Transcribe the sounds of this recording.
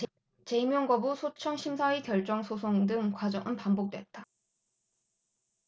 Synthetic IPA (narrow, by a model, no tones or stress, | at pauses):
t͡ɕe̞imjʌŋɡʌbusʰot͡ɕʰʌŋɕʰimsʰaikjʌɭt͡ɕ͈ʌŋsʰosʰoŋdɯŋkwad͡ʑʌŋʔɯnpambok̚t͈we̞t̚t͈a